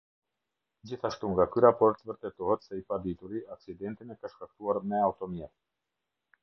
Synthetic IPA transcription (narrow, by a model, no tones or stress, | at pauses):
d͡ʑiθaʃt̪uŋɡakyɾapɔɾt̪vəɾt̪ɛt̪ɔhɛt̪sɛipad̪it̪uɾiaksid̪ɛnt̪inɛkaʃkak̚t̪uaɾmɛawt̪ɔmjɛt̪